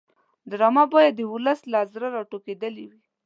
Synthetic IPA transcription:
d̪ɾɑmabɑjad̪əʊləslazɾaɾɑʈoked̪əliwi

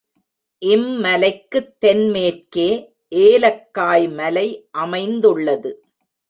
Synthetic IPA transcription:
ʔɪmːɐlɐɪkːɯt̪ːɛnmeːrkeː | ʔeːlɐkːaːjmɐlɐɪʔɐmɐɪnd̪ɯɭːɐðɯ

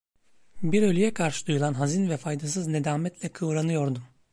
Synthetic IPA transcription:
biɾølʲyjɛkʰaɾʃɯ̥d̪ujulˠanɦazinvɛfajd̪asɯzne̞d̪aːmɛt̪lʲɛkʰɯvɾanɯjo̞ɾd̪um

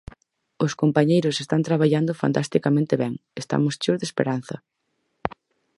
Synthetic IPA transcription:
ʊskompaɲejɾʊsest̪ant̪ɾaβ̞aʎand̪ʊfa̰nt̪ast̪ikamẽnt̪eβɛŋest̪a̰mʊst͡ʃozðespḛɾan̟θɐ̰

